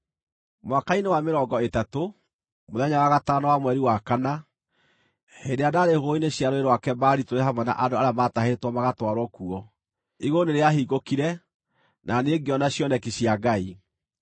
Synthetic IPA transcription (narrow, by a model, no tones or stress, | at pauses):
mwakainewameɾɔːɡɔetato | moðɛɲawaɣataːnawamwɛɾiwakana | hedeadaɾehoineɕjaɾoeɾwakɛbaɾitoɾeɦamwɛna̰ʔadoaɾeamataheɾetwɔmaɣatwaɾwɔkuɔ | iɣoneɾeaɦiɣokiɾɛ | nʔaneɡeɔnaɕjɔnɛkeɕjaɡai